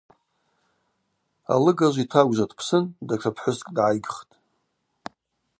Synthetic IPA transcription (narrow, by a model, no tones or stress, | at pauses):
a̰lɨɡaʒʷitʰaɡʷʒʷatʰʼpʰsɨndaʈ͡ʂʰʷapʰħʷʊskʼdʕajɡʲχtʼ